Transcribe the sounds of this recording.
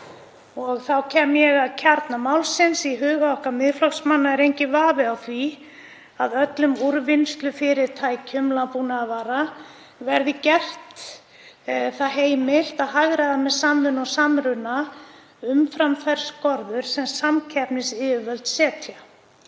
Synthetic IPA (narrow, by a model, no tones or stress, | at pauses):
ɔɣθawcʰɛːmjɛɣaðcʰaɾt̪namawlsɪnsiɦʏːɣaɔhkamɪðflɔksmanːaɛɾejɲcɪvaːvɪawθvi | aðœt̪lʏmuɾvɪnst̪lʏfɪɾɪɾ̥t̪ʰaːjcʰʏmlapunaavaːɾa | vɛɾðɪcɛr̥t̪ | θaðɦeːjmɪl̥t̪aðɦaɣɾaðamɛðsamʏnɔsamɾʏna | ʏmfɾamfɛɾskɔɾðʏɾ̥sɛmsamcʰɛpnɪsɪːvœlt̪sɛːt̪ʰja